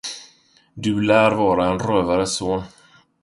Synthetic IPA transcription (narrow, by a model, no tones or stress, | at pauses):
d̪ɵlæːɾvɑːɾaɛnɾøːvaɾəsoːn